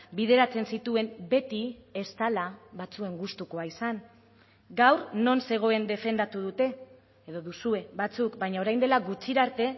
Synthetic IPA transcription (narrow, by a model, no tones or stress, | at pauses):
bið̞e̞ɾat͡se̞nsit̪ue̞mbe̞t̪iest̪alaβat͡sue̞ŋɡust̪uko̞aisaŋ | ɡawɾno̞nse̞ɣ̞o̞e̞nd̪e̞fe̞nd̪at̪uð̞ut̪e̞ | eðo̞ðusue̞βat͡sukbajɲao̞ɾajnd̪e̞laɡut͡ʃiɾaɾt̪e̞